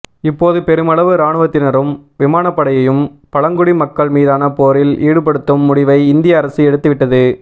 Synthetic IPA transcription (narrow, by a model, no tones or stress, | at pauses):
ɪpːoːðɯpɛɾɯmɐɭɐʋɯɾaːɳɯʋɐt̪ːɪnɐɾɯmʋɪmaːnɐpːɐɽɐjɐjɯmpɐɻɐŋɡʊɽimɐkːɐɭmiːðaːnɐpoːɾɪliːɽɯp̬ɐɽɯt̪ːɯmːʊɽɪʋɐɪɪnd̪ɪjɐːɾɐsɯɛɽɯt̪ːɯʋɪʈːɐðɯ